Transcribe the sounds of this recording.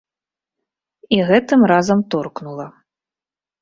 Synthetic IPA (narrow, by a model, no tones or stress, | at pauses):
iɣɛt̪ɨmrazɐmt̪ɔrknulˠɐ